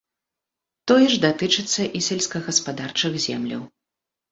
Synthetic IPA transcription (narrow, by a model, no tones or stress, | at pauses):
t̪ɔjɛʐd̪at̪ɨt͡ʂɨt̪sːɐʔisʲɛlʲsʲkɐɣɐspad̪art͡ʂɨɣzʲɛmlʲɐ̰w